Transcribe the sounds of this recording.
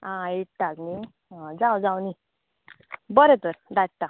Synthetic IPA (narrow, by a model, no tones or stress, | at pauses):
ãeʈ̚t̪akni | d͡zawd͡zawni | bəɾet̪əɾd̪aʈ̚t̪a